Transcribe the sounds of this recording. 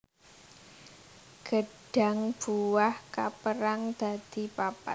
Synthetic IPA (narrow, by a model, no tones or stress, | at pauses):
ɡ̥əɖ̥a̤ŋb̥uwahkapəɾaŋd̪̥a̤d̪̥i̤papa̰